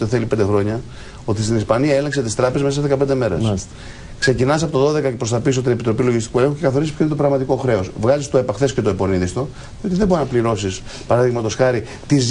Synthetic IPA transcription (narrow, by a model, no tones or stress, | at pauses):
eθe̞lipend̪e̞xɾo̞ɲɐ | o̞t̪ist̪inispɐniɐelekse̞t̪ist̪ɾɐpezemesɐszðe̞kɐpend̪e̞me̞ɾḛs | kse̞cinɐss̬ɐpo̞t̪oðo̞ðe̞kɐcepɾost̪ɐpis̬o̞t̪inepit̪ɾo̞piloʝist̪ikuelexuce̞kɐθo̞ɾisi̥pçoinet̪opɾɐɣmɐt̪iko̞xɾe̞o̞svɣɐzist̪o̞epɐxθe̞scet̪oepo̞niðist̪o̞ | ðio̞t̪iðeboɾinɐpliɾo̞sispɐɾɐðiɣmɐt̪o̞sxɐɾi | t̪iz